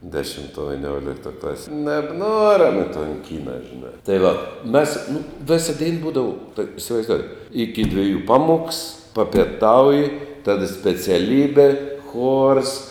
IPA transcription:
dʲɛʃʲɪmˈtuɔj ʋʲɪˈnʲuɔlʲɪktoːj ˈklˠɑːsʲeːj nʲɛbˈnuɔrʲɛm ɪ toːn ˈkʲiːnɐ ʒʲɪˈnɑː tɐɪ ˈʋɐ ˈmʲɛs nʊ ˈʋʲɪsɐ dʲɛɪn ˈbuːdɐʋɐ tuɔkʲ ɪsʲɪʋɐɪzˈdoːʊjeːt ɪkʲɪ dʲʋʲɪˈjuː ˈpɑːˌmuɔks pɐpʲeːˈtɐʊjɪ ˈtɑːdɐ sʲpʲɛt͡sʲɛˈlʲiːbʲɛ xoːrs

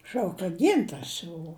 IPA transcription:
ˈʃɐʊk kɐ ˈɡʲɪntɐrs jɛʊ

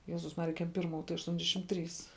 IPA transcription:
ˈjæːzʊs ˈmɑːrʲɪjɛ ˈkʲɛm ˈpʲɪrˌmuː tɐɪ ɐʃˈtuɔnʲdʲɛʃʲɪm ˈtʲrʲiːs

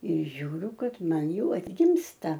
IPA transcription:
ɪr ˈʒʲuːrʲʊ ˈkɐt ˈmɐn ˈjɛʊ ɐdʲˈɡʲɪmstɐ

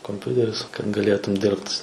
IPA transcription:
koːmʲˈpʲʊtʲɛrʲɪs kɐt ɡɐˈlʲeːtʊm ˈdʲɪrpt

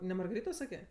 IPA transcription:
nʲɛ mɐrɡɐˈrʲiːtoː ˈsɑːkʲeː

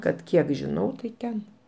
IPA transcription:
kɐt ˈkʲiɛk ʒʲɪˈnɐʊ tɐɪ ˈtʲɛn

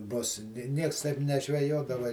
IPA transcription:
ˈbʊs ˈnʲiɛks tɐɪp nʲɛʒʲʋʲɛˈjoːdɐʋɐ

